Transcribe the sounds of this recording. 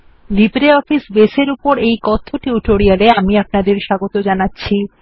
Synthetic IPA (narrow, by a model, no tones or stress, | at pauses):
libɾeɔfisbeseɾupoɾejkɔt̪ʰːoʈiuʈoɾijaleamiap̚nad̪eɾʃaɡot̪od͡ʑanatːɕʰi